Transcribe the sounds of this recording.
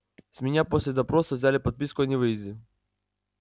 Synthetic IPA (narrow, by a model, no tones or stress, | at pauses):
zʲmʲɪnʲapɔsʲlʲɪd̪ɐpɾɔsɐvzʲalʲɪpɐd̪̚pʲiskʊɐnʲɪʋɪjzʲlʲɪ